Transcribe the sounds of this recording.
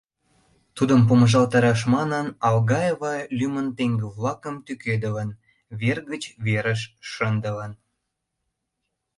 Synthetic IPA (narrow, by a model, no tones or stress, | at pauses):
t̪ud̪əmp̬oməʒɑlt̪ɑɾɑʃ̬mɑnənɑlɣɑjevɑlʲymənt̪eŋɡəβlɑkəmt̪yked̪ələn | βerɣət͡ɕβeɾəʃːənd̪ə̆lən